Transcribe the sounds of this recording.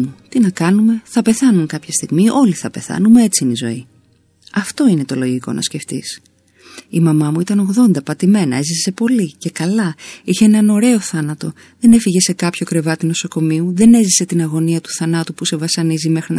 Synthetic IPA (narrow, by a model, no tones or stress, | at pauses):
ut̪inɐkɐnume̞θɐpe̞θɐnuŋkɐpçɐst̪iɣmiʔo̞liθɐpe̞̰θɐ̰numee̞t͡sinizo̞̰i | ɐft̪o̞ine̞t̪o̞lo̞ʝiko̞̰nɐ̰sce̞ft̪is | imɐmɐmuit̪ɐno̞ɣðo̞nd̪ɐpɐt̪ime̞nɐe̞zise̞po̞lice̞kɐlɐiçeenɐno̞ɾe̞o̞θɐnɐt̪o̞ | ðe̞ne̞fiʝe̞se̞kɐpço̞kɾe̞vɐt̪ino̞so̞ko̞miuðe̞ne̞zise̞t̪inɐɣo̞niɐt̪u̥θɐnɐt̪upuse̞vɐsɐnizime̞xɾin